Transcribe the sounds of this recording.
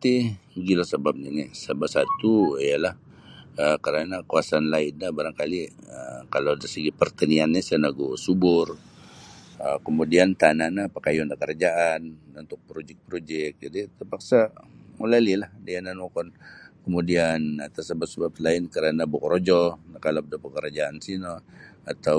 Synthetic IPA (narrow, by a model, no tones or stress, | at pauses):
t̪iɡilasəbap̚ninisəbapsat̪uijalah | əkəɾanakuasanlaɪnlabaɾaŋkaliəkaladasəɡipərt̪ənianɲasanaɡusubʊr | əkəmudiant̪ananapakajɔndakəɾad͡ʒaʔanunt̪ʊk̚pɾod͡ʒɛk̚pɾod͡ʒɛk̚d͡ʒadit̪ərpaksamulalilahdijananmokɔnkəmudianat̪asəbat̪səbap̪̚laɪnkəɾanabokɾod͡ʒɔnakaladapəkəɾad͡ʒaansinɔat̪aw